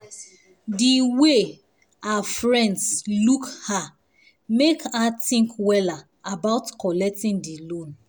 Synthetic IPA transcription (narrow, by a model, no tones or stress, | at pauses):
diwe | aafɹɛ̃ndslukha | mekatĩŋkwɛla | abaʊtkɔlɛk̚tĩndilõn